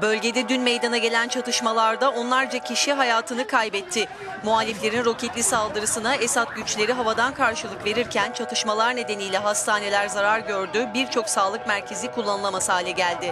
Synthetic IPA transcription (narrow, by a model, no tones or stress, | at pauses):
bø̞lʲɟe̞d̪ɛd̪ynmejd̪anaɟe̞lʲænt͡ʃʰat̪ʰɯʃmalˠaɾd̪ao̞nlˠaɾd͡ʒacʰiʃiɦajaːt̪ʰɯnɯkʰajbɛt̪ʰːɪ | mualʲːiflʲe̞ɾinɾo̞cʰɛt̪lʲisalˠd̪ɯɾɯsɯnaesat̪̚ɟyt͡ʃlʲe̞ɾiɦavad̪ankʰaɾʃɯlˠɯkve̞ɾiɾcʰænt͡ʃʰat̪ʰɯʃmalˠaɾne̞d̪e̞nijlʲɛɦast̪ʰaːne̞lʲæɾzaɾaɾɟø̞ɾd̪ybiɾt͡ʃʰo̞ksaːlˠɯkmæɾcʰe̞zikʰulˠːanɯlˠamasaːlʲɛɟælʲd̪ɪ